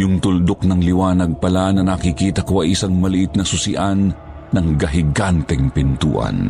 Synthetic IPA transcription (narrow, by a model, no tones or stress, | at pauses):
jʊŋt̪ʊld̪ok̚nɐŋlɪwaːnɐɡ̚pɐlanɐnakɪkiːt̪ɐkoɐjʔɪsaŋmɐlɪʔɪt̪nɐsʊsɪʔanː | ɐŋɡɐɦɪɡant̪ɛŋpɪnt̪ṵːʔɐ̰n